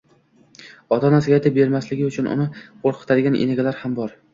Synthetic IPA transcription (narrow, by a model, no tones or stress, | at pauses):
ɒt̪ʰɒnasɪɡʲajt̪ʰɪp̚be̞ɾmaslɪɡʲɪʊt͡ʃʰʊnʊ̰nɪqoɾqʰɨ̥t̪ʰad̪ɪɡʲanʔḛnɪɡʲalaɾhambɒɾ